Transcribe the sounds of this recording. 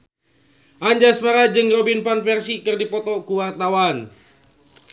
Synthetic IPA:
ʔaɲd͡ʒasmaɾad͡ʒɨŋrɔbinpanfɛrsikɨrdipɔt̪ɔkuwart̪awan

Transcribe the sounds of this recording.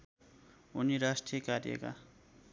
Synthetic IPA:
uniɾasʈijekarjḛka̰

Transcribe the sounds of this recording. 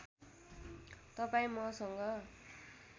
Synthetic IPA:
t̪ʌpaĩmʌsʌŋɡʌ

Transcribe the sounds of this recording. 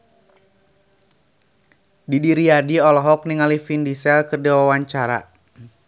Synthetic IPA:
didiɾiadiɔlɔɦɔk̚niŋalifindisɛlkɨrdɛwawaɲt͡ʃaɾa̰

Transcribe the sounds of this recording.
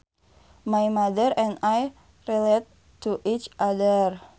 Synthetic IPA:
majmadəɾɛ̃naj | riletː | uʔit͡ʃʔadər

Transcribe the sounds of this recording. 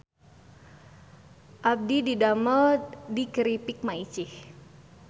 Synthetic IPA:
ʔab̚dididaməldiɡəɾipɪk̚mait͡ʃɪh

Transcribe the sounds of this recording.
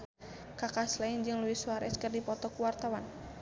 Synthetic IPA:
kakaslaind͡ʒɨŋluiswaɾɛ̰skɨrdipɔt̪ɔkuwart̪awan

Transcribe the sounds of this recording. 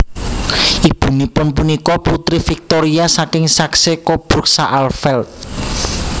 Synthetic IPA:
ʔib̥ṳnipʊnpunikɔput̪ɾifik̚t̪oɾiasakɪŋsaksekob̥ɾuk̚saʔalfɛlt̪̚

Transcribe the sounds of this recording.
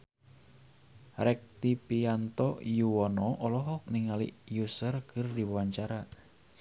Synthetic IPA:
rɛk̚t̪ipiant̪ɔjuwɔnɔʔɔlɔɦɔk̚niŋalḭjusərkɨrdibwaɲt͡ʃaɾa

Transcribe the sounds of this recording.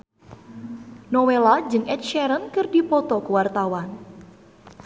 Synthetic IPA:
nɔwelad͡ʒɨŋʔɛt̪̚ʃɛɾənkɨrdipɔt̪ɔkəwart̪awan

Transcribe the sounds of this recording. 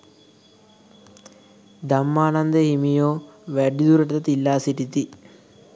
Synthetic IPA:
d̪amːaːnand̪əhimijoːʋæɖid̪uɾəʈət̪ət̪ilːaːsiʈit̪i

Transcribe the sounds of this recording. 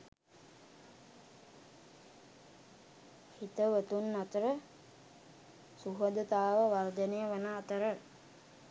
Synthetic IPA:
hit̪əʋət̪unːat̪əɾə | suɦəd̪ət̪aːʋəʋard̪ənejəʋənaːt̪əɾə

